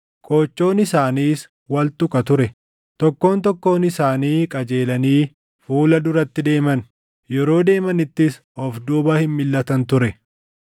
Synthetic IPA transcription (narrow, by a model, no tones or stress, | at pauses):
kʼo̞ːt͡ʃːo̞ːnɪsaːniːs | wɐlt̪ʊkʼɐt̪ʊɾɛ | t̪ɔkːo̞ːnt̪̬ɔkːo̞ːnɪsaːniːkʼɐd͡ʒe̞ːlɐniː | fuːlɐd̪ʊɾɐt̪ːɪd̪e̞ːmɐn | jɛɾo̞ːd̪e̞ːmɐnɪt̪ːɪs | ɔfd̪uːbɐhɪnmɪlːɐt̪ɐnt̪ʊɾɛ